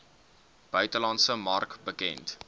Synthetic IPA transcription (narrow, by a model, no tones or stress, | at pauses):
b̥œɥtəlɑntsəmɐrkbəkɛ̰nt